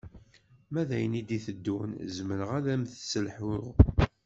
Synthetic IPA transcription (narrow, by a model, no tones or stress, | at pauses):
mæðæjənid̪iθəd̪ːunzməɾəʁælæmθsəlħʊʁ